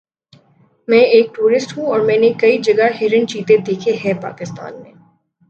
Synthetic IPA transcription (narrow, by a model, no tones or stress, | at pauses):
mɛ̃ːeːk̚ʈuːɾɪsʈɦũɔːɾmɛ̃ːnekɐid͡ʒɐɡaɦeːɾənt͡ʃiːt̪ed̪eːkʰeɦɛpa̰ːkɪst̪a̰ːnmḛ̃ː